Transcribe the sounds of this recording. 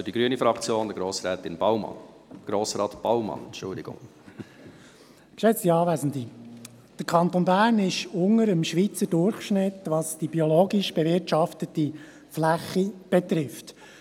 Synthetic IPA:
diɡɾyənifɾɑkt͡sjoːnd̪əɾɡɾoːsɾɛːt̪ɪnb̥awmɑ̰n | ɡ̥ɾoːsɾɑːt̪b̥ɑwmɑ̰nʃʊ̰ld̪ɪɡʊ̰ŋ | kʃɛt͡stiɑːvæzn̩di | d̥əɾkʰɑnt̪onbæːɾnɪʃʊŋəɾəmʃʋit͡sədʊrχʃnɪt̪ʋɑsd̥ibioloːɡiʃb̥ɛvɪɾtʃɑftət̪i | flæχib̥ɛt̪ɾɪft

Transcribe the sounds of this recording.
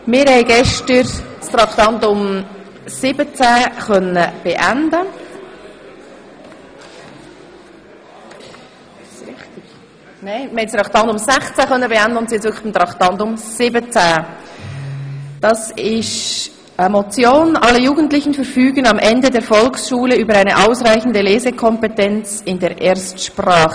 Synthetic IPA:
mɪɾhɛɪɡɛʃtəɾstɾɑktɑntʊm | sɪb̥ət͡sæχœnːəb̥eʔændə | sɾɪχtɪɡ̥ | neɪəhɛɪst̪ɾɑkt̪ɑndʊmsæχt͡sæχœnːəbeændəʊntsjɛtt͡sʋʏɾkʰχə̥χb̥imt̪ɾɑktɑndʊmsɪbət͡sɛ | d̥ɑsɪʃ | ʔəmot͡sjoːnʔɑlːəjuːɡən̩tlɪçənfɛɾfyːɡənɑmʔɛndədeːɐfɔlksʃuːləyːbəɾaɪnəʔaʊsʁaɪçn̩dəleːzəkʰɔmpetɛnt͡sɪndeːɐʔeːɐstʃpraːχə

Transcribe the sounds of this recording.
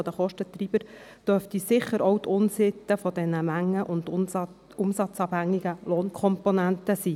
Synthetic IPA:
ɔd̥̪əχɔʃtət̪rib̥əɾd̥œft̪isɪχːəɾɔʊt̪ʰʊnsɪt̪ːəfɔd̥̪ɛnəmæŋːəʔʊnd̪ | ʊmsɑt͡sɑːb̥hæŋːiɡəloːnkʰχɔmponænt̪əsiː

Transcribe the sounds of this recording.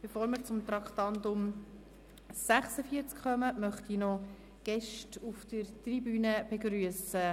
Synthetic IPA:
b̥efoːɾməɾt͡sʊmt̪ɾɑkχt̪ɑntʊm | sæχsəfiəɾt͡skχœməmœχtinɔ | ɡ̥ɛʃtufd̥ərtribyːnəb̥eɡɾyəsə

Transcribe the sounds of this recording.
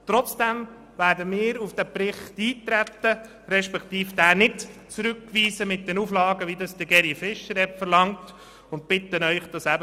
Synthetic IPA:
t̪rɔt͡sd̥ɛm | ʋæːɾdəmɪːɾufd̥æpɾɪχtiːt̪ɾæt̪ːə | ɾɛʃpɛkt̪iːfd̥æːnɪtt͡sɾʉkːʋiːsəmɪt̚d̥ɛnuflɑːɡəʋidɑsd̥əɡɛɾifɪʃəɾɛpfəɾlɑŋt | ʊnt̚pɪt̪ənœʏχd̥ɑsæbə

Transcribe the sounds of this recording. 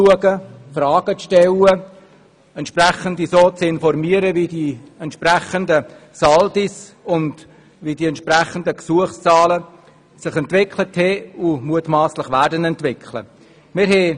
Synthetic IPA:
uəɡəfrɑːɡ̥ət͡sʃtɛlə | ɛntʃpræχəndisoːt͡sɪnfɔɾmiəɾəvidiɛntʃpræχəndə | sɑldisʊnd | vidiɛntʃpræχəndəksuəχst͡sɑːlə | sɪχɛntvɪkʰləthɛʊmuətmɑːslɪχvæːɾdənɛntvɪkʰlə̰ | mɪɾɦɛ

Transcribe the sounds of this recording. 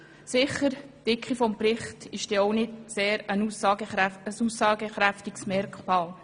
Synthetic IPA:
sɪχəɾtɪkχifɔmprɪχtɪʃd̥ɛːɔwnɪdseːɾəsɑɡəəsusɑːɡ̥əχɾæftiksmɛrkχmɑːl

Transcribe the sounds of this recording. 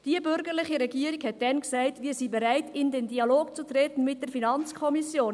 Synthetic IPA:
d̥iəbʏɾɡəɾlɪχiɾɛɡiəɾikhɛt̚dɛnksæɪtʋiːɾsibɛɾæɪtɪndendiɑloːkt͡sut̪ɾɛtən̩mɪt̚d̥əɾfinɑnt͡skʰɔmisjoːn

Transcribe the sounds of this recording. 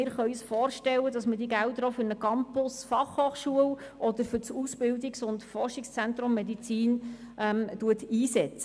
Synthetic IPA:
ɪːɾχœʏsfɔːrʃtɛlːədɑsmədiɡæltɾɔfʏɾnəkɑmpʊsfɑχhoːχʃuəwʔɔdəɾfʏɾt͡susb̥ɪldiksʊntfɔrʃɪkst͡sɛntɾʊmːɛdit͡siːn | ʔɛmtuətiːsɛt͡sə

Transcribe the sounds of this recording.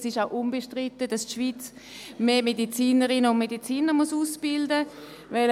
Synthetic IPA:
sɪʃaʊʔunbeʃtʁitədastʃviːt͡s | meːmedit͡siːnəʁɪnəʊnmedit͡siːnəʁmɔsuːsb̥ɪldə | vɛl

